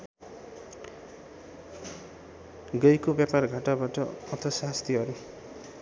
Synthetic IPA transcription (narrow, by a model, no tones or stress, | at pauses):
ɡʌjkobjaparɡʱaʈabaʈʌʌt̪ʰʌsast̪ʰiɦʌɾu